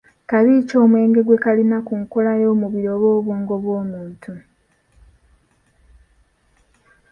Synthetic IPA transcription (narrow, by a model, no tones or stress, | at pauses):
kaβiːco̞ːmwe̞ːŋɡe̞ɡwe̞kalinakuŋkolajo̞ːmuβiɾo̞βo̞ːβuːŋɡo̞βwo̞ːmuːntʰu